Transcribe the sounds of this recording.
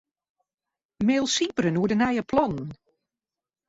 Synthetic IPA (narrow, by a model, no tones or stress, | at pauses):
meːlˠsipəɾənuədənɛjəpʰlɔnn̩